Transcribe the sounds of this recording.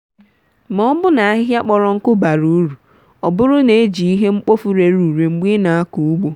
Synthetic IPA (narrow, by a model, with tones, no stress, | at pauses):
mɔ˦bʊ˦na˨a˦ɦɪ˦ɦja˦k͡pɔ˨ɾɔ˨ŋ̩˦kʊ˦ba˨ɾu˨˦ɾu˨ | ɔ˨bʊ˦ɾʊ˦ne˨e˦d͡ʒi˨i˦ɦe˦ŋ͡m̩˦k͡po˦fu˦ɾe˨ɾu˨ɾe˨ŋ͡m̩˦ɡ͡bi˦na˨a˦ku˨u˦ɡ͡bo˦